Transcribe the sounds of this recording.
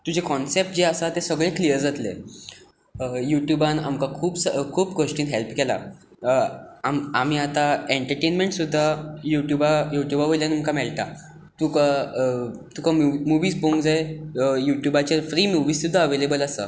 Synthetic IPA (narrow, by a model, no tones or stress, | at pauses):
t̪ud͡ʑʱekɔnsep̚ʈ̚d͡ʑeəsat̪esəɡɭeklijəɾd͡zat̪lḛ | juʈjubãna̰mkakʰuːbsəkʰuːpɡʱoʂʈiːnɦelpkɛla̰ | amam̤iːat̪aeɳʈəɾʈenmeɳʈsud̪ʱːajuʈjubajuʈjubaʋoljanumkamɛɭt̪a | t̪uka | t̪ukamuʋiːsboŋd͡zaejuʈjubat͡ɕaɾfɾiːmuʋiːssud̪ʱːaəʋelebələsə̰